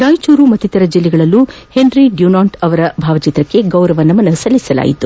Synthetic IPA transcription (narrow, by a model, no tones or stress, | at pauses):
ɾaːjt͡ʃuːɾumɐt̪ːit̪ɐɾɐd͡ʒilːɛɡɐɭɐlːu | he̞nɾiɖjunaːɳʈɐʋɐɾɐbʱaːʋɐt͡ʃit̪ɾɐkːe̞ɡɐwɾɐʋɐnːɐmɐnɐsɐlːisɐla̰ːjḭt̪u